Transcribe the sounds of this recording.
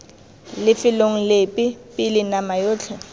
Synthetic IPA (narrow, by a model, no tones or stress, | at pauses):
lɪfɪloŋ̩lepʼɪpʼɪlɪnamajoːt͡ɬʰɛ